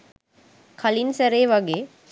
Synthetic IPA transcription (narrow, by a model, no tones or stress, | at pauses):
kʰɐlinsɐɾeːʋaɡe